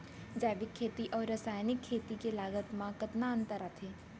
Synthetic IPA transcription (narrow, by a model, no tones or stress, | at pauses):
d͡ʒɛːʋɪkʰːeːt̪iʔɔːɾːəsaːjnɪkʰːeːt̪ikelaːɡət̪mãkət̪naə̃nt̪əɾat̪ʰeː